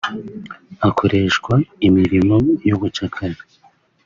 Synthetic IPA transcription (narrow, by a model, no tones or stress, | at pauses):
akʰo̞ɾe̞ʃkwaimiɾimo̞juβut͡ʃakʰaɾa